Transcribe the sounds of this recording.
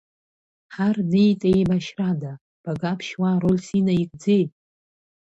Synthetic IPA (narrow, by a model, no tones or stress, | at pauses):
ħarnejtʼejmaʃrada | b̥aɡapʰʃwaɾolsinaikʼd͡zejtʼ